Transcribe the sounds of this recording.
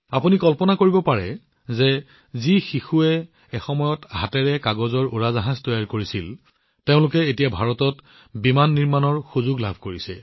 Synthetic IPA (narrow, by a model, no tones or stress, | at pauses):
apunikɔlpɔnakoɹibɔpaɹɛ | zɛ | zixixuɛː | xɔmɔjɔtɦa̰tɛɹɛkaɡɔzɔɹuɹazaɦastɔjaɹkoɹisil | teʊ̃lʊkɛetijabʱaɹɔtɔt | bimanːiɹmanɔɹxuzʊɡla̰bʱkoɹisɛ̰